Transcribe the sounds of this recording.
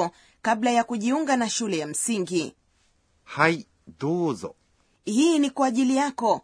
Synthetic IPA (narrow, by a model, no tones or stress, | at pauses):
ɔ | kaɓlajakuʄiuŋɡanaʃulɛjam̩siŋɡi | haj | duːzɔ̰ | hiːnikwaːʄilijakɔ